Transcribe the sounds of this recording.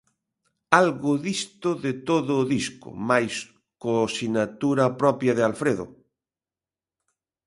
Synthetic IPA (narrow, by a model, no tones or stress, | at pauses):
alɣʊðist̪ʊðet̪oðʊːðiskʊ̰majs | kosinat̪uɾɐpɾɔpjaðɪalfɾeðʊ̰